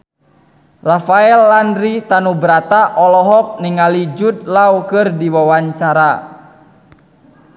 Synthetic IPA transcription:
rafaɛlːandɾit̪anubəɾat̪aʔɔlɔɦɔk̚niŋalid͡ʒut̪̚lawkɨrdiwawaɲt͡ʃaɾa

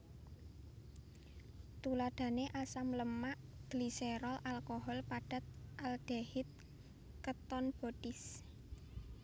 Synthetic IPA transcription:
t̪ulaɖ̥ä̤neʔasamləmaʔd̪̥liseɾɔlʔalkoɦɔlpaɖ̥a̤t̪̚ʔald̪̥ahɪt̪̚ | kət̪ɔnb̥ɔd̥ɪs

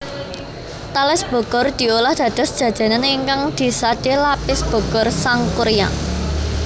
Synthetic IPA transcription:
t̪alɪsb̥ɔ̤ɡ̥ɔrd̪̥i̤olahd̪̥ä̤d̪̥ɔ̤sd̥ʒ̥a̤d̥ʒ̥a̤naneːŋkaŋd̪̥i̤sad̪̥elapɪsb̥ɔ̤ɡ̥ɔrsaŋkuɾja̰

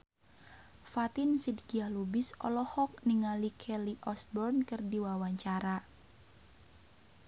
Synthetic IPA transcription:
fat̪insidkiahlubisɔ̰lɔhɔk̚niŋalikʰɛliʔɔsbɔrnkɨrdiwawaɲt͡ʃaɾa

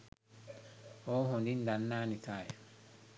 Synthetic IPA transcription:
ɔɦɔndindanːaːnitajɛ

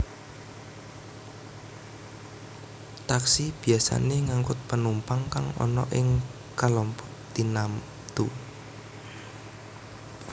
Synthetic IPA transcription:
t̪aksib̥i̤asa̰neŋaŋkʊt̪̚pənumpaŋkaŋɔ̰nɔ̰ʔɪŋ | kalɔmpɔʔd̪̥inam | t̪u

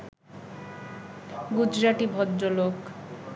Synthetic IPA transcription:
ɡud͡ʑɾaʈibʱɔdːolok

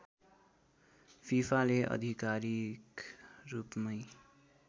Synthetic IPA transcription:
pʰipʰaleʔʌ̰d̪ʱikaɾikrupmʌj

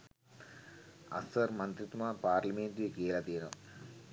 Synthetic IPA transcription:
ɐ̰sɐɾmɐnt̪ɾit̪maːpaːɾlɐmeːnt̪ikeːlɐt̪iːɾɐm

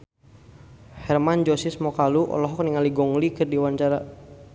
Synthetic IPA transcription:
hɛrmand͡ʒɔsismɔkaluʔɔ̰lɔɦɔk̚niŋaliɡɔŋlikɨrdiwaɲt͡ʃaɾa

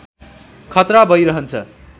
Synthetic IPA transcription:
kʰʌt̪ɾabʱʌjɾʌɦʌnt͡sʰʌ̰

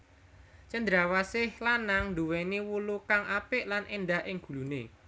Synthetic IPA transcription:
t͡ʃənd̪ɾawasɪhlanaŋnɖuwɛnewulukaŋʔapɪʔlanʔenɖaɦʔɪŋɡ̥ṳlunḛ

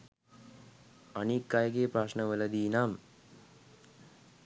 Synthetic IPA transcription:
anikːajəɡepɾaːʂnəʋələd̪iːnam

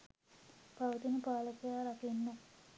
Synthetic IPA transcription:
paʋət̪inəpaːləkəjaːɾakinːə

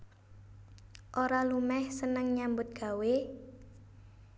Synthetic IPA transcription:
ʔoɾalumɛhsənəŋɲambʊt̪̚ɡ̥a̤we

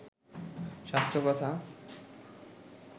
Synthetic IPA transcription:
ʃast̪ɾokɔt̪ʰa

